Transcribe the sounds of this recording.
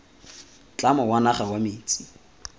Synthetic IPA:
t͡ɬʼamɔwanaχawameːt͡sʼi̥

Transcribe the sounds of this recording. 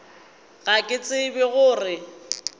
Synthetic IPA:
ɣakʼɪt͡sʼɪbɪɣʊːrɪ

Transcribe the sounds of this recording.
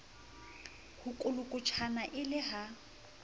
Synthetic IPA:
hʊkʼʊlʊkʼʊt͡ʃʰanaʔɪlɪɦa

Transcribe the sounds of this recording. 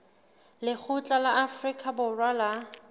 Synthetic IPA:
lɪk͡xʰʊt͡ɬʼalaʔafrikʼabʊrwala

